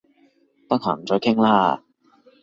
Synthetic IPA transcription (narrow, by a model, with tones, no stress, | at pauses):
t̪ɐ˥k̚ha̰ː˨˩m̩˨˩t͡sɔː˨˧jkʰɪ˥ŋlaː˥